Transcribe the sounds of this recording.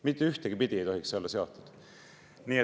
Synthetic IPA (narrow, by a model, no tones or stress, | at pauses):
mit̪ːeyht̪eɡipid̪ʲiejt̪ohikselːɑseot̪ːˑu̥d̪̥ | niːe